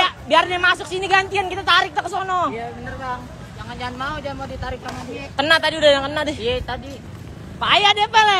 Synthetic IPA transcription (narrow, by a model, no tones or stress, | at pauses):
abiarɲamasʊk̚siniɡant̪iankit̪at̪aɾɪk̚t̪akəsɔnɔjabənərɡaŋ | d͡ʒaŋand͡ʒaanmaud͡ʒamaudit̪aɾɪk̚lamaskənaht̪adiudahjaŋkənadɪhijat̪adi | pajadiapalɛ